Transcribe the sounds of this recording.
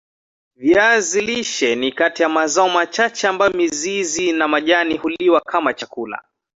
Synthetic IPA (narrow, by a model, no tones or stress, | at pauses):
viaziliʃɛnikatijamazaɔmat͡ʃat͡ʃɛambajɔmizizinamaʄanihuliwakʰamat͡ʃakula̰